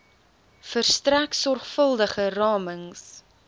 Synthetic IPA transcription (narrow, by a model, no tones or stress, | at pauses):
fərstræksɔrχfəlˠdəχərɑːməŋs